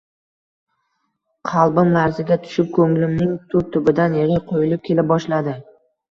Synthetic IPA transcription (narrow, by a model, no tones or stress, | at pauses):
qʰɑlˠbɪmːaɾzɪɡʲat̪ʰʊ̥ʃɪp̚kʰɵŋlɪmnɪŋt̪ʰʊp̚t̪ʰʊbɪd̪anjɪʁɪqʰojɪlɪp̚kʲʰe̞lɪp̚bɒʃlad̪ɪ